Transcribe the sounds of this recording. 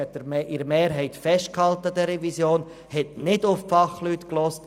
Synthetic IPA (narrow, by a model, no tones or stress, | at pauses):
ɛt̚ːɛɪɾəmeːɾɦɛɪtfɛst̚khɑltədɛɾɛvisjoːn | hɛtnɪdʊffɑχlyːtklɔst